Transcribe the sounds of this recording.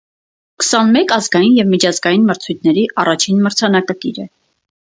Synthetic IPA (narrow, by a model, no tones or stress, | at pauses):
kə̥sɑnmɛkɑzɡɑjinjɛvmit͡ʃʰɑzɡɑjinməɾt͡sʰujt̪̚ʰnɛɾiʔɑrɑt͡ʃʰinməɾt͡sʰɑnɑkəkiɾɛ